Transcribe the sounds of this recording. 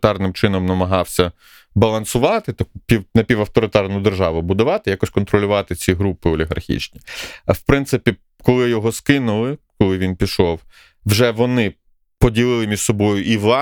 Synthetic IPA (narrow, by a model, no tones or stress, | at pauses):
t̪ɑrnɪmt͡ʃɪnɔmnɐmɐɦɑwsʲɐ | bɐlˠɐnsʊʋɑt̪ɪt̪ɔkpʲiwnɐpʲiʋɐwt̪ɔɾɪt̪ɑrnʊd̪erʒɑʋʊbʊd̪ʊʋɑt̪ɪjakɔsʲkɔnt̪ɾɔlʲʊʋɑt̪ɪt͡sʲiɦɾupɪɔlʲiɦɐ̰rxʲḭt͡ʃnʲiwpɾɪnt̪sɪpʲi | kɔlˠɪjɔɦɔskɪnʊlˠɪkɔlˠɪʋʲinpʲiʃɔw | wʒɛʋɔnɪ | pɔdʲilˠɪlˠɪmʲiʒ̥sɔbɔjʊʔiʋlˠɑ